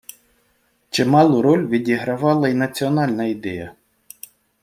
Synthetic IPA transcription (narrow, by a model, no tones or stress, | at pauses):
t͡ʃɪmɑlˠʊɾɔlʲʋʲidʲiɦɾɐʋɑlˠɐinɐt͡sʲiɔnɑlʲnɐid̪ɛjɐ